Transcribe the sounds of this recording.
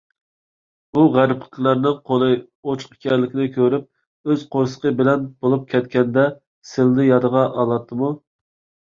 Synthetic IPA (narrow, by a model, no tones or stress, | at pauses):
uʁæɾpə̥qʰlˠæɾnɨŋqʰolˠɨ | ot͡ʃʰqkʲɛɾlɪkʲʰɪnɪkʲʰøɾyp̚ | øzqʰoɾsə̥qəbɪlɛnb̥olˠup̚kʲʰɛt̪kʲɛnd̪ɛ | sɪlnɪjɑd̪əʁɑʔɑlˠɑt̪ʰːɨmu